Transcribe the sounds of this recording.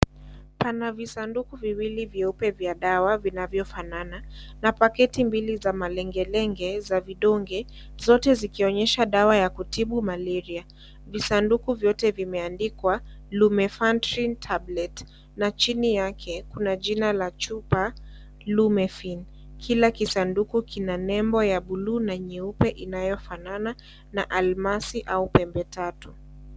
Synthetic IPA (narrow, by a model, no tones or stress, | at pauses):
panavisandukuviwilivjɛupɛvjaɗawavinavjɔfanananapakɛtimbilizamalɛŋɡɛlɛŋɡɛzaviɗɔŋɡɛ | zɔtɛzikiɔɲɛʃaɗawajakutiɓumalɛɾia | visandukuvjɔtɛvimɛandikwalumɛfantɾintʰablɛt | nat͡ʃinijakʰɛkunaʄinalat͡ʃupa | lumɛfin | kʰilakisandukukʰinanɛmbɔjaɓulunaɲɛupɛʔinajɔfanana | na̰ʔalmasiʔaupɛmbɛtatu